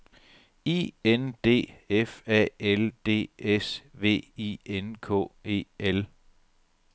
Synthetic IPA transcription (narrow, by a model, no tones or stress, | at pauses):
ḭːend̥e̝̰ːefɛ̰eld̥e̝̰ːesʋe̝̰ːienkʰɔ̰̽ːe̝̰ːel